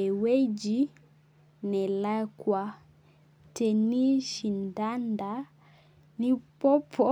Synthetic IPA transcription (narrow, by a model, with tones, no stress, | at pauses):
wɛ˦d͡ʒi˦ | nɛ˨la˦kwa˦ | tɛ˨ni˦ʃi˨nda˦nda˨ | ni˦pɔ˦pʰɔ˦